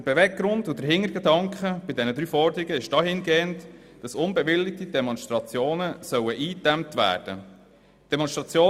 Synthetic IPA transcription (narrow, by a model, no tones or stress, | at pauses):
əb̥evɛɡɡɾʊndʊd̥əɦɪŋːəɾɡedɑŋkχəb̥ɪdɛnəd̪ɾyːfɔɾdəɾiɡəɪʃd̥ɑːhɪnɡeːənt | d̥ɑsʊnbɛʋɪlːɪk̚tid̥ɛmɔnst̪ɾɑt͡sjoːnəsœwəʔiːtæmp̚tʋæ̰ːɾd̥ə̰ | d̥ɛmɔnʃtɾɑt͡sjoː